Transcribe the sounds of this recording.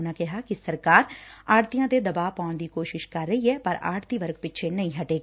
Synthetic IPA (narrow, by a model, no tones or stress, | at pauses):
nãkɛɦakɪsɐɾkaːɾaːɽt̪ijãːd̪ed̪ɐbaːʋpaːʊɳd̪iːkoːʃɪʃkɐɾːɐɦiɦɛːpɐɾa̰ːɽt̪iʋəɾk̚pɪtːʃʰenɐɦĩɦɐʈeːɡaː